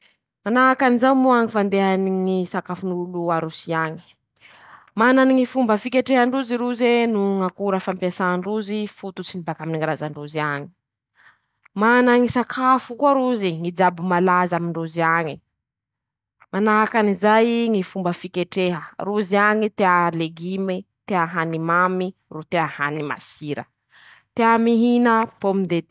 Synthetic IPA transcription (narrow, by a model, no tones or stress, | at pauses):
manaɦakanizawmuaŋifand̪eɦaniŋisakafunuuluaɾusiaɲi̥ | mananiŋifumbəfikeʈ͡ʂeɦəɳɖ͡ʐuziɾuzenuŋakuɾəfampiasaɳɖ͡ʐuzifut̪ut͡sinibakaminiŋiɾazaɳɖ͡ʐuziaɲi̥ | manaŋisakʰafukuaɾuziŋid͡ʒabumalazamiɳɖ͡ʐuziaɲi | manaɦakanizajŋifumbəfikeʈ͡ʂeɦəruziaŋit̪ealeɡimet̪eaɦanimamiɾut̪eahanima̰siɾə̰ | t̪eamiɦinəpomind̪e